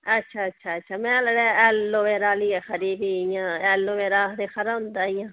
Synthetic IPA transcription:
ətːʃʰaːətːʃʰaːətːʃʰaːmɛ̃ːləɽɛːɛːlːoʋeːɾaːliːɛːxəɾiːbiːɪjãːɛːlːoʋeːɾaːɦd̪eːxəɾãɦʊ̃nd̪aːɪjãː

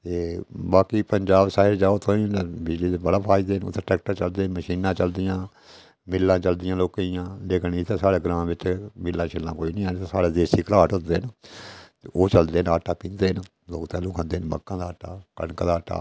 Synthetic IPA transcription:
t̪eːbaːkiːpəɲd͡ʒaːbsaːɪɾd͡ʒaːoːt̪ʰõːĩːbɪd͡ʒliːt̪ːbəɽaːpʰaːid̪eːnʊ̰t̪ʰːeːʈɛːk̚ʈəɾt͡ʃəld̪eːnməʃiːnãːt͡ʃəld̪ɪjãː | mɪlːãːt͡ʃəld̪ɪjãːloːkaijãːleːkniːt̪ʰẽːsaːɽeːɡɾãːʋɪt͡ʃmɪlːãːt͡ʃʰelːãːkoːiːnĩːaːt̪ːsaːɽeːd̪eːsiːkəlaːʈɦʊ̃nd̪eːnt̪ːoːt͡ʃəld̪eːnaːʈːaːpĩːnd̪eːn | loːkt̪ɛːlũːkʰãnd̪eːnməkːãːd̪aːʈːa̰ːkəɳkãːd̪aːʈːa̰ː

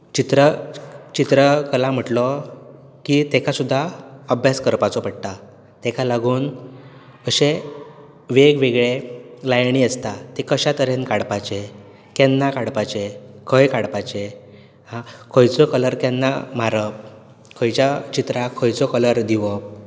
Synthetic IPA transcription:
t͡ɕit̪ɾət͡ɕit̪ɾəkəlam̤əʈlɔ | kit̪ekʰasud̪ʱːaəbʱjaskəɾpat͡sɔpəɽt̪a | t̪ɛkʰalaɡuːn | əɕe | ʋeɡʋeɡɭelajɳiəst̪at̪ekəɕat̪əɾenkaɽpat͡ɕe | kɛnːakaɽpat͡ɕekʰəjkaɽpat͡ɕe | hãkʰəjt͡sɔkələɾkɛnːa̰m̤aɾəp̚ | kʰəjt͡ɕjat͡ɕit̪ɾakʰəjt͡sɔkələɾd̪iʋəp̚

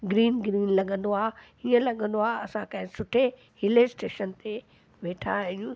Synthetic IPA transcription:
ɡɾiːnɡɾiːnlɐɠə̃nd̪oaː | iə̃lɐɠə̃nd̪oaːɐsãkɐ̃ɦɪ̃sʊʈʰe | hɪlesʈeːʃənt̪e | ʋeːʈʰaɦijũ

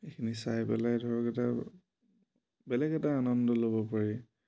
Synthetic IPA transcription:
ekʰinisajpɛ̰lajdʱɔɹɔkɛta | bɛlɛɡɛtaːnɔndɔlobɔpaɹi

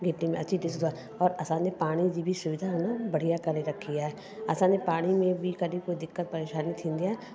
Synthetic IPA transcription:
ɡʱɪʈːimẽɐtːʃʰiʈɪsd̪a | ɔːɾɐsãːnepaːɽ̃id͡ʒibʱisʊʋɪd̪ʱaɦonabɐɽ̤ijakɐɾneɾɐkʰːijaɦɛ | ɐsãːnepaːɽ̃imẽbʱikɐɾikoːid̪ɪkːət̪̚pɐɾeːʃaːnit̪ʰĩːnd̪ia

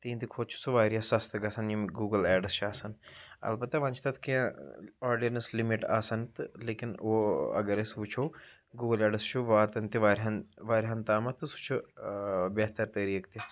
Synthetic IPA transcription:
t̪ĩːnt̪ikʰot͡ʃʰu̥suʋaːɾjaːsɐst̪əɡɐsɐnjimɡuːɡəlɛːɖəst͡ʃʰaːsənɐ̰lbət̪ːaːʋɐ̃nt͡ʃʰt̪ɐt̪ʰkiãaːɾɖijənəslɪmɪʈa̰ːsənt̪leːkɪnoːɐ̰ɡəɾesʋut͡ʃʰoː | ɡuːɡəlɛːɖəst͡ʃʰuʋaːɾt̪ɐnt̪iʋaːɾɦɐnʋaːɾɦɐnt̪aːmɐt̪ɨsu̥t͡ʃʰu | bɛːɦt̪əɾt̪əːɾiːkt̪i

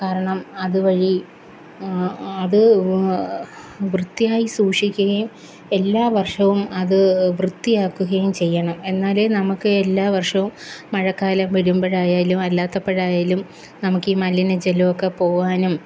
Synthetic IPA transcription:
kaːɾɐɳɐmɐðɨʋɐɻi | ɐðɨ | ʋrɨt̪ːijaːjisuːʂikʲːuɣɐjum | e̞lːaːʋɐrʂɐʋumɐðɨʋrɨt̪ːijaːkːuɣɐjumt͡ɕe̞jːɐɳɐme̞nːaːlenɐmukːɨelːaːʋɐrʂɐʋumːɐɻɐkːaːlɐmʋɐɾumbɐɻaːjaːlumɐlːaːt̪ːɐpːeɻaːjaːlum | nɐmukːimɐlːinɨd͡ʑelɐʋokːepo̞ːʋaːnum

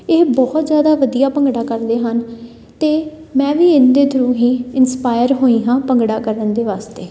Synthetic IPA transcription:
eːbɔːt̪zjaːd̪aːʋəd̪ijaːpəŋɡɽaːkəɾd̪eːɦən | t̪eː | mɛ̃ːʋiːɪnd̪eːt̪əɾũːɦiːɪnspaːɪəɾɦoːĩːɦãːpəŋɡɽaːkəɾənd̪eːʋaːst̪eː

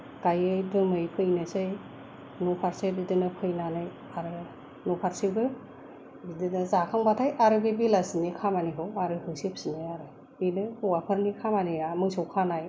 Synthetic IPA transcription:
kajɯjdɯmɯjkʰɯjnɯsɯj | nopʰaɾsebidɯnɯpʰɯjnanɯj | aɾɯ | nopʰaɾsiɡɯ | bidɯnɯzakʰaŋbatʰajʔaɾɯbebilasinikʰamaniɦɯwaɾɯɦɯjsipsiniaɾɯ | inɯhuwapʰɯɾnikʰamaniamɯsowkʰanaj

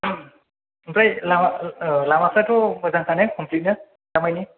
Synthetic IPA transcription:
pɹajlamlamapʰatɔbɔzaŋkʰanɛkʰɔmplit̚na | zamajni

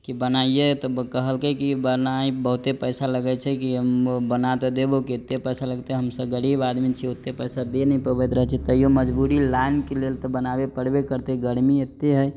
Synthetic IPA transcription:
kibənajet̪ɔkəɦəlkekibənajbəɦut̪epəjsaləɡət͡ʃʰɛkiɦəmbənat̪ɔd̪ebokiet̪ːepəjsaləɡt̪eɦəmsəbɡəɽibad̪mit͡ʃʰiot̪ːepəjsad̪enəipəbet̪ɾəɦt͡ʃʰɛt̪əjoməd͡ʒbuɾilajnkelelt̪ɔbənabepəɽbekəɾt̪eɡəɽmiet̪ːeɦəj

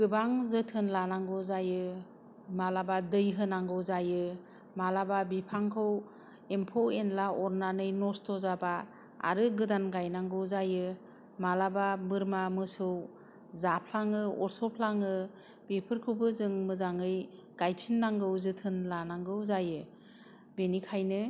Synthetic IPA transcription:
ɡ̥ɯbaŋzɯtʰɯnlanaŋɡɯzajɯ | malabadɯjɦɯnaŋɡɯwzajɯ | malababipʰaŋkʰɯw | empʰowenlaʔɔɾnanɯjnɔstʰɔzaba | a̰ɾɯɡɯdanɡajnaŋɡɯwzajɯ | malababɯɾmamɯsɯw | zapʰlaŋɯɔɾsɔpʰlaŋɯ | b̥epʰɯɾkʰɯwbɯzɯŋmɯzaŋɯj | ɡ̥ajpʰinːaŋɡɯwzɯtʰɯnlanaŋɡɯwzajɯ | benikʰajnɯ

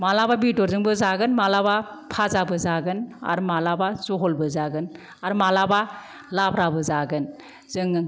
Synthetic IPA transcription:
malababitɔɾzɯŋbɯzaɡɯnmalaba | pʰazabɯzaɡɯna̰ɾmalabazɔɦɔlbɯzaɡɯn | aɾmalaba | labɾabɯzaɡɯn | zɯŋɯŋ

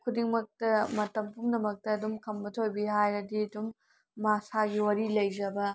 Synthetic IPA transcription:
kʰudiŋmɐk̚tɐmɐtɐmpʰumnɐmɐk̚tɐːdumkʰɐmbɐtʰojbiɦajɾɐdiɐdumː | asaɡiwɐɾilɐjzɐbɐ

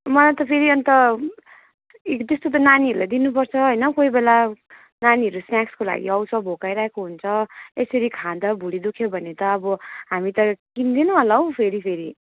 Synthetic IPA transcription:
mʌlajt̪ʌpʰeɾiʌnt̪ʌ | t̪est̪ot̪̬ʌnaniʌɾulajd̪inup̬ʌrt͡sʰʌɦʌjnʌkoibela | naniɦʌɾusnjakskola̰ɡḭʌwsʰʌbʱokajɾaɦekoɦunt͡sʰʌesʌɾikʰad̪ʌbʱuɽid̪ukʰjobʱʌnet̪ʌːbʌɦamit̪ʌkind̪inʌ̃ɦʌlʌw̃pʰeɾipʰeɾi

